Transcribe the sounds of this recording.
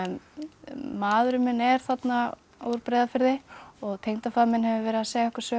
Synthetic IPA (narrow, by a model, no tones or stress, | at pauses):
maːðɾʏmɪnɛɾ̥θat̪na | o̰wɾ̥pɾɛːðafɪɾðɪɔɣt̪ʰejŋnt̪afaðmɪnɦɛvɪvɛːɾɪðaseːjaɛhkʏɾ̥sœː